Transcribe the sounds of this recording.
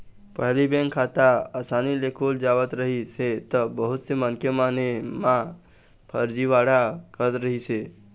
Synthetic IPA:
pəɦlibɛ̃ŋkʰaːt̪aasaːnilekʰoːld͡ʒaːwət̪ɾəɦiset̪əbəɦʊt̪semənkemaːnemã | pʰəɾd͡ʒiʋaːɽakəɾət̪ɾəɦise

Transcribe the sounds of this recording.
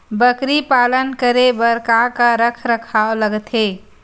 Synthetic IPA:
bəkɾipalənkəɾebəɾkakaɾəkʰɾəkʰaoləɡt̪ɦe

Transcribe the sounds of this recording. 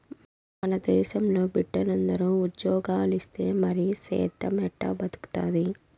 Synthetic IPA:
mɐnɐd̪ɛːʃɐmlo̞ːbiɖːɐlɐnd̪ɐɾuudjɔːɡaːlist̪e̞ːmɐɾisɛ̰ːt̪ɐmɛʈːɐ̰bɐd̪u̥ku̥t̪aːd̪i

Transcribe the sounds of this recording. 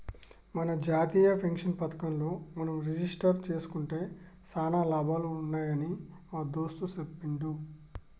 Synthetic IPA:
mɐnɐd͡ʒaːt̪iːjɐpʰɐŋkʂɐnpɐt̪ɐ̥kɐmlo̞ːmɐnɐmɾed͡ʒisʈɐɾt͡ʃe̞ːsu̥kuɳʈe̞ː | saːnaːlɐːbʱaːluunːaːjɐniaːd̪oːst̪usɐpːiɳɖu

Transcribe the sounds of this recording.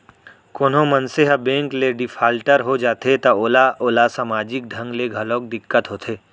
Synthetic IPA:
koːnɦõmɐnseɦəbẽːŋkleɖɪfʰaːlʈəɾɦod͡ʒaːt̪et̪ooːlaoːlasaːmaːd͡ʒɪk̚d̪ʱə̃ŋɡleɡʱɐlõːk̚d̪ɪkːət̪ɦoːt̪ʰeː

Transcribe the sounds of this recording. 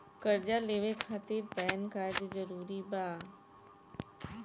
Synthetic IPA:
kəɾd͡ʒaleːʋekʰaːt̪iɾpɛːnkaːɾɖzəɾuːɾibaː

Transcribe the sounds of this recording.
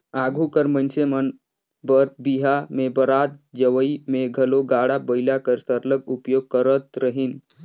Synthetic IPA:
aɡʱukəɾmənsemən | bəɾbiɦamebəɾat̪̚d͡ʒəʋəimeɡʱəloɡaɽabəjlakəɾsəɾləɡupjoɡ̚kəɾət̪ɾəɦin

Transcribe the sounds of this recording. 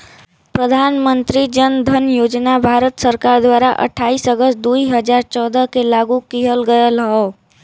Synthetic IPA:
pɾəd̪ʱanmənt̪ɾid͡ʒənd̪ʱənjod͡ʒnabʱaɾət̪səɾkaɾd̪waɾaʔə̰ʈʰaisəɡəsd̪uiɦəd͡ʒaɾt͡ʃɔd̪əkelaɡukiɦəlɡəjəlɦɔ

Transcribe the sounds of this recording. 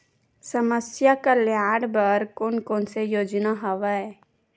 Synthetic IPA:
səməsjakaljaːɽbəɾkoːnkoːnsejoːd͡ʒnaɦəʋəe

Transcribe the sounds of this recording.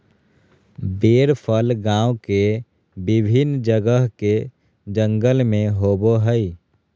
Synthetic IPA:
beːɾpʰəlɡãːwke | bɪbʱɪnd͡ʒəɡəɦke | d͡ʒə̃ŋɡəlmẽɦoːboɦəi

